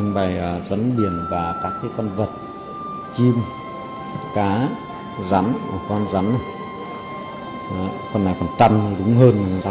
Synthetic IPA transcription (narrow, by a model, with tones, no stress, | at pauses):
ɨ˧ŋɓa˨˩jʔːzə˨˦nɓi˧˩ənvaː˨˩kaː˦˥k̚ti˨˦kɔ˧nvə˨˩t̚ | t͡ɕi˧m | kaː˨˦ | za˨˦ma˨˩kɔ˧nza˨˦m˨˧˨ | fə˨˩nːa˨˩jkɔ˨˧˩nt͡ɕa˧ŋ˨˩ɗɨ˨˦ŋ͡mɦəː˧n˨˩˨za˨˦